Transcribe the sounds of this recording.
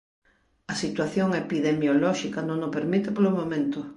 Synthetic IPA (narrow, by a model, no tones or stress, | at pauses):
ɐsit̪waθjoŋepiðemjolɔʃikɐnõŋopeɾmit̪epolomomẽnt̪ʊ